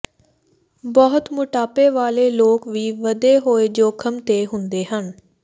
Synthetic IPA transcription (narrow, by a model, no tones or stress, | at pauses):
bɔɦʊt̪mʊʈaːpeːʋaːleːloːkʋiːʋəd̪eːɦoːeːd͡ʒoːkʰəmt̪eːɦʊnd̪eːɦən